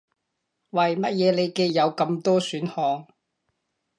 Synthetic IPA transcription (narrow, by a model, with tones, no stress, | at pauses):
wɐ˨˩jmɐ˥t̚jɛː˨˧le˨˧jke˧jjɐ˨˧wkɐ˧mt̪ɔː˥syː˨˥nhɔː˧ŋ